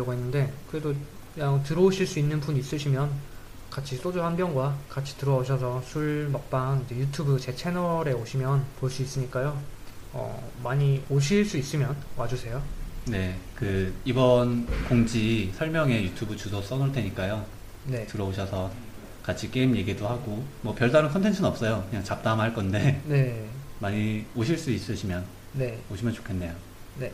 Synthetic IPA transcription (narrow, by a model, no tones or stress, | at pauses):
ʌɡuɦenːɯnde̞kɯɾe̞do | aŋtɯɾʌuɕʰiɭs͈uinːɯnpuɲiːs͈ɯɕʰimjʌn | kat͡ɕʰis͈od͡ʑoɦanbjʌŋɡwakat͡ɕʰi̥tɯɾʌoɕʰʌsʰʌsʰuɭmʌk̚p͈aind͡ʑejutʰubɯt͡ɕe̞t͡ɕʰe̞nʌɾe̞oɕʰimjʌnpoɭs͈uis͈ɯɲik͈ajo | ʌ̰ | maɲioɕ̬ʰiɭs͈uis͈ɯmjʌnwad͡ʑusʰe̞jone̞kɯibʌnkoŋd͡ʑisʰʌɭmjʌŋe̞jutʰubut͡ɕusʰʌs͈ʌnɯɭde̞ɲik͈ajo | ne̞tɯɾʌoɕʰʌsʰʌ | kat͡ɕʰik͈e̞imje̞ɡidohaɡomʌpjʌɭdaɾɯnkʰʌntʰe̞nt͡ɕʰɯnʌp̚s͈ʌjokɯɲaŋt͡ɕap̚t͈amɦaɭk͈ʌnde̞ne̞maɲioɕʰiɭs͈uis͈ɯɕʰimjʌn | ne̞oɕʰimjʌnt͡ɕo̥kʰe̞nːe̞jo | ne̞